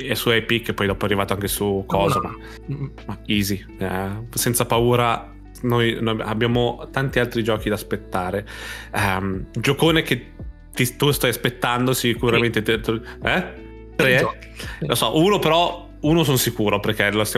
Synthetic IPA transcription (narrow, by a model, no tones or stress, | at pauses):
ɛsuɛpikːepːɔjd̪ɔːpoɛarːivaːt̪oaŋkesukʰɔːzama̰ | maiːzi | ɛ̰sɛnt̪sapauːɾa | nojnoa̰bːjaːmot̪ant̪ialt̪ɾid͡ʒɔːk̟id̪aspet̪ːaːɾeɛmd͡ʒokoːnek̟e | t̪it̪ust̪ajaspet̪ːand̪osikuɾament̪et̪t̪ɛ | t̪ɾe | losɔʔuːnopeɾɔ | uːnosonsikuːɾoperkelost̪j